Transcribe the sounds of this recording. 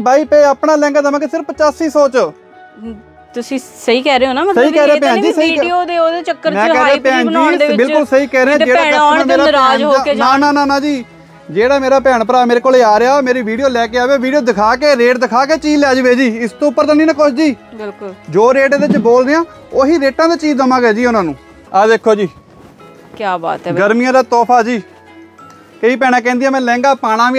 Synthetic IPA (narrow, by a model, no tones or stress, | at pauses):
baːiːpeːəpɳaːlɛ̃ːŋɡaːd̪əmãːkesɪɾfət͡ʃaːsiːsoːt͡ʃ | t̪ʊsĩːsəiːkɛːɾeːoːnaːmsəiːkɛːɾeːãːpɛ̃ːd͡ʒiːsəiːɖod̪eoːd̪eːt͡ʃəkːəɾmɛ̃ːkɛːɾeãpɛ̃ːnd͡ʒibɪlkʊlsəiːkɛːɾeːãːd͡ʒeːɽaːə̃ːmeːɾaːɾɛd͡ʒɦnãnãːnãːnãːd͡ʒiː | d͡ʒeːɽaːmeːɾaːpɛːɳ̃pəɾaːmeːɾeːkoːleaːɾeaːoːmeːɾiːʋiːɖijoːlɛːkeːaːʋeːʋiːɖijoːd̪ɪkʰaːkeːɾeːʈd̪ɪkʰaːk̬eːt͡ʃiːlaːd͡ʒʋeːd͡ʒiːɪst̪õːpːəɾt̪aːniːnəkot͡ʃʰd͡ʒiːɪld͡ʒoːɾeːʈːd̪eɪt͡ʃboːlneãː | oːɦiːɾeːʈãːd̪aːt͡ʃiːzzəmãːɡeːd͡ʒiːʊnãːnũː | ad̪eːkʰːoːd͡ʒiː | kaːba̰ːt̪ɡəɾmijãːd̪aːt̪ɔːpʰaːd͡ʒiː | kəiːp̬ɛːɽ̃aːk̬ɛ̃ːnd̪ijãːmɛ̃ːlɛ̃ːŋɡaːpaːɽãːʋi